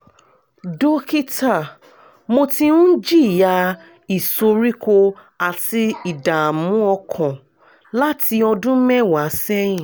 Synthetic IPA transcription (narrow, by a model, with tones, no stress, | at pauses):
do˦ki˦ta˦˨ | mo˧tĩ˧nũ˦n̩˦d͡ʒi˦˨ja˧ | i˨so˧ɾi˦ko˧ | a˨ti˧i˨da˨mũ˨˦ɔ˧kʰɔ̃˨ | la˦ti˧ɔ˧dũ˦mɛ̃˦˨wa˨˦sɛ˦jĩ˦˨